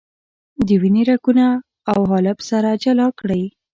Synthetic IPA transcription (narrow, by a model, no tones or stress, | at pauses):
d̪əwiniɾakunaː | wɦɑlabsaɾad͡ʒalɑkɽəj